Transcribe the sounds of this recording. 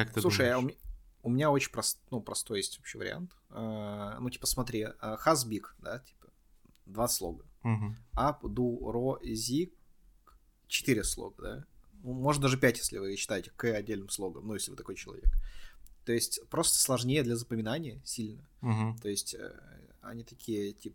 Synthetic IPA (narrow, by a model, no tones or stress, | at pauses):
kakt̪ˠuʂɨjʊmʲʊmʲɪnʲao̞t͡ɕɪnʲpɾɐsnupɾɐst̪o̞jesʲtʲo̞pɕɪjvə̰ɾʲɪ̰a̰nt̪ənutʲi̥pə̥smɐt̪ɾʲiəxazbʲikd̪atʲi̥pə̥ | d̪vaslˠo̰ɡəɦ̩apd̪uɾozʲik | t͡ɕɪ̥t̪ɨɾʲɪslˠo̰ɡəd̪a̰numo̞ʐɨt̪d̪aʐɨpʲætʲjesʲlʲɪvɨɕːɪ̥t̪ajɪtʲɪ̥kɨɐdʲːelʲnɨmslˠo̞ɡəmnujesʲlʲɪvɨt̪ɐko̞jt͡ɕɪlˠɐ̰vʲekt̪o̞ɪsʲtʲpɾo̞st̪ə̥slˠɐʐnʲejəd̪lʲɐzəpəmʲɪnanʲɪjəsʲilʲnə | t̪o̞jɪsʲtʲə̰ | ɐ̰nʲit̪ɐkʲʰijətʲipə